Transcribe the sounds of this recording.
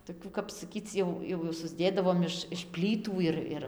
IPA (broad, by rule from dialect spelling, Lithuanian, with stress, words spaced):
toːˈkʲuː kɐp sɐˈkʲiːt͡s jɛʊ jɛʊ sʊzʲˈdʲeːdɐʋoːm ɪʃ ɪʃ ˈpʲlʲiːtuː ɪr ˈɪr